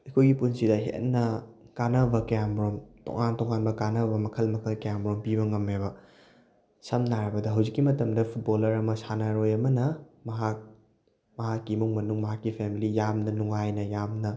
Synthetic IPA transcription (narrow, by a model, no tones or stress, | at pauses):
ɐjkʰojɡipunsidɐɦḛnːɐ | kanɐbɐkjambɾomto̰ŋantoŋanbɐkanɐbɐmɐkʰɐlmɐkʰɐlkambɾompiβɐŋɐmːeβɐ | sɐmnaɾɐbɐdɐɦɐwzikːimɐtɐmdɐpʰut̚bolɐɾɐmɐsanɐɾojɐmɐnɐmɐɦak̚ | mɐɦakːimuŋmɐnuŋmɐɦakːipʰemilijamnɐnuŋajnɐjamnɐ